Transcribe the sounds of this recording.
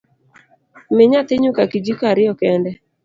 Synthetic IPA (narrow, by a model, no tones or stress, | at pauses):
mɪɲat̪ɪɲʊkakid͡ʒikaɾɪɔkɛndɛ